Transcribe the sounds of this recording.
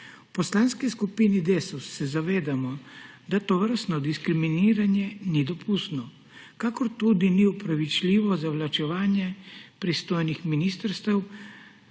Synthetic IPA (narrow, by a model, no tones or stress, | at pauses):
pɔslaːnskiskupinid̪esusːɛzaʋeːd̪amɔd̪at̪ɔʋəɾst̪nɔd̪iskɾiminiːɾanjɛnid̪ɔpʰust̪nɔ | kaːkɔɾt̪uːd̪iniupɾaʋit͡ʃlʲiːʋɔzawlat͡ʃɛʋaːnjɛpɾist̪oːjnixminiːst̪əɾst̪ɛw